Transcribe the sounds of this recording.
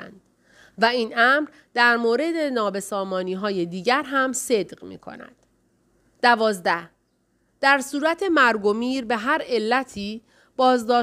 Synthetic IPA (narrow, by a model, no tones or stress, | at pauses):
æ̰nd̪̥ | væiːnʔæmɾ | d̪æɾmoːɾe̞d̪e̞nɒːbe̞sɒːmɒːniːɦɒːje̞d̪iːɟæɾɦæmse̞d̪ɢmḭːkʰo̞̰næ̰d̪̥ | d̪̥ævɒːzd̪æh | d̪̥æɾsuːɾæt̪ʰe̞mæɾɡo̞miːɾbe̞ɦæɾe̞lːæt̪ʰiː | b̥ɒːzd̪ɒː